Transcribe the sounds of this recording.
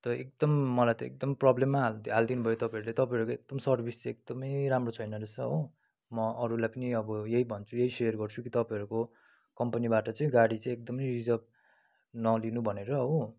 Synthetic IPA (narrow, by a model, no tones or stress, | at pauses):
t̪ʌek̚d̪ʌmːʌlajt̪ʌḛk̚d̪ʌmprʌblemːaɦald̪ɦald̪inubʱʌjot̪ʌpãʌɾulet̪ʌpãʌɾukoek̚d̪ʌmsʌrbʱist͡sek̚d̪ʌmʌjɾamrot͡sʰʌjnʌɾesʌɦo | mʌʔʌɾulajpʌniʌbʌjeɦibʱʌnt͡sʰujeɦisejrɡʌrt͡sʰukit̪ʌpãʌɾuko | kʌmpʌnibaʈʌt͡sʌĩɡaɽit͡sʌ̃ĩek̚d̪ʌmʌjrid͡zʌb̚ | nʌlinubʱʌneɾʌɦo